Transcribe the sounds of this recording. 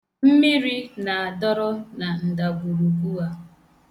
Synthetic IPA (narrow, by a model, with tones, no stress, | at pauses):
m̩˦mi˦ɾi˦na˨a˨dɔ˦ɾɔ˦na˨n̩˨da˨ɡʷu˨ɾu˨ɡu˦a˦